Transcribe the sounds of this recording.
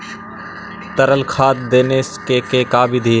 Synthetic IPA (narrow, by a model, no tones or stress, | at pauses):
t̪əɾəlkʰaːt̪d̪eːneskeːkeːkaːbid̪ʱiː